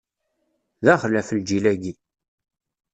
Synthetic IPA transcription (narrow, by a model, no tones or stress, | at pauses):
ðæχlæfəld͡ʒilæɡi